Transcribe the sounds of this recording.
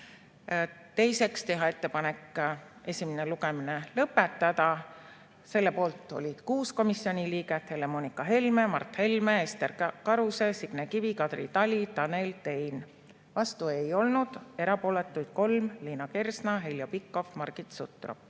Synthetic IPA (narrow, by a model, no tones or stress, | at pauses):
t̪e̞jse̞kst̪e̞ɦɑe̞t̪ːepɑnekːˑ | e̞sʲimeneluɡeminelɤpːˑe̞t̪ːˑɑd̪ɑ | se̞lːe̞po̞ːlt̪ːˑo̞̰lʲid̪̥kuːsko̞misːio̞nʲiliːɡe̞t̪he̞le̞monikɑɦe̞lme̞mɑ̰rt̪he̞lme̞est̪erkɑɾuse̞siɡ̥nekivikɑd̪̥rḭt̪ɑlʲit̪ɑne̞lt̪e̞jn | vɑst̪ue̞jo̞lnud̪̥e̞ɾɑpo̞ːle̞t̪ːˑujd̪̥̚ko̞lmliːnɑke̞rsnɑɦeljopikːˑo̞fmɑrɡ̥it̪sṵt̪ˑro̰